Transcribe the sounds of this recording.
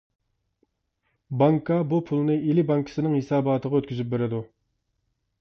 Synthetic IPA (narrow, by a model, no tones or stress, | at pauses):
bɑŋkʰɑbupʰulˠnɨilɪbɑŋkʰə̥sɪnɨŋhesɑːbɑːt̪ʰəʁɑøt̪̚kʲyzyp̚beɾɪd̪u